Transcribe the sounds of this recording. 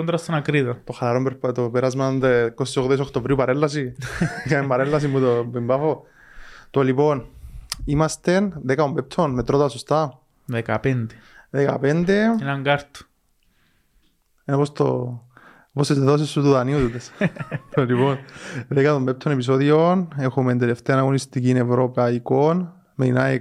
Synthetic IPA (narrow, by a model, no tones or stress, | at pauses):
ont̪ɾast̪ːonakɾiðot̪oχalaɾompeɾpt̪opeɾazmand̪ekossoɣðes̬okʰt̪ovɾiupaɾelːas̬ikaembaɾelːas̬imbut̪obimbafo | t̪oliponimast̪enðekaombep̚t̪ʰonmet̪ɾot̪oasust̪a | ðeka̰pend̪e̥ðeka̰pend̪enaŋɡaɾt̪o̥ | enopost̪o̰ | oposezd̪eðos̬esut̪uðaniut̪ut̪est̪oliponðekaðombep̚t̪ʰːonepis̬oðionexument̪̬ele̞ft̪eɐanaɣonist̪iciːne̞vɾo̞paikon | meinae